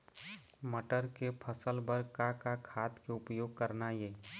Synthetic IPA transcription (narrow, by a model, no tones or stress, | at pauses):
məʈəɾkepʰəsəlbəɾkakakʰaːt̪keʊpjoːɡ̚kəɾnajeː